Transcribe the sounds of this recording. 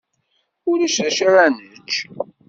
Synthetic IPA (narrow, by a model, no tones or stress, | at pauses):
ʊɾæʃʃaɾænət͡ʃː